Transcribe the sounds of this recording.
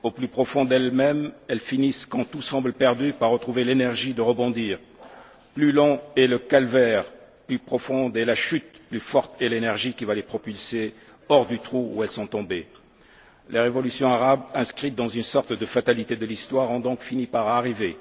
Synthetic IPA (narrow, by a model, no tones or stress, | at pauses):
oplypχɔfɔ̃d̪ɛlmɛmɛlfiniskɑ̃t̪usɑ̃bləpɛʁd̪ypaʁːət̪χuvelenɛʁʒid̪əʁəbɔ̃d̪iːʁ | plylɔ̃ɛləkalvɛʁ | plypχɔfɔ̃d̪ɛlaʃyt̪̚plyfɔʁt̪ɛlenɛʁʒikʲivalepχɔpylse | ɔʁd̪yt̪χuuɛlsɔ̃t̪ɔ̃be | leʁevɔlysjɔ̃aʁabɛ̃skχit̪̚d̪ɑ̃zynsɔʁt̪d̪əfat̪alit̪ed̪əlist̪waʁɔ̃d̪ɔ̃kfinipaʁaʁive